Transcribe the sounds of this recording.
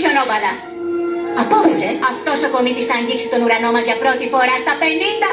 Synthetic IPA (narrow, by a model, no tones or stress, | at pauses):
çonovɐlɐ | ɐposeɐft̪o̞so̞ko̞mit̪isθɐːɲɟiksit̪o̞nuɾɐno̞mɐzʝɐpɾo̞t̪ifo̞ɾɐst̪ɐpe̞nind̪ɐ